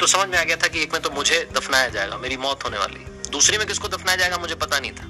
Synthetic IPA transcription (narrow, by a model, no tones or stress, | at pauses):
t̪osɐməd͡ʒʱmẽaːɡɐjat̪ʰakieːkmẽt̪omʊd͡ʒʱed̪ɐfnaːjad͡ʒa̰ːḛɡa̰meːɾimɔːt̪ɦoːneʋa̰ːlḭd̪uːsɾimẽkɪskod̪ɐfnaːjad͡ʒaːeɡamʊd͡ʒʱepɐt̪anɐɦĩt̪ʰḁː